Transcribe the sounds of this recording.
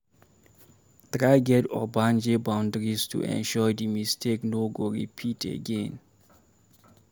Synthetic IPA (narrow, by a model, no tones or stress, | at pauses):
tɹaɪɡɛtɔbãnd͡ʒebãʊ̃ndɹistʰṵʔɛ̰̃nʃɔjdimistʰeknoɡoɹḭpʰitʰḛɡɛ̃n